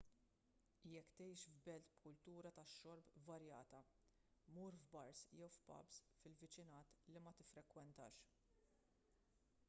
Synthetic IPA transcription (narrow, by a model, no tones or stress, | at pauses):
jɛkːt̪ɛjʃvbɛlt̪bkʊlt̪uːɾɐt̪ɐʃːɔɾpvɐɾjɐːt̪ɐ | muːɾvbɐɾsjɛwfpɐ̰bsfɪlvɪt͡ʃɪnɐːt̪limɐt̪ɪfɾɛkwɛnt̪ɐ̰ːʃ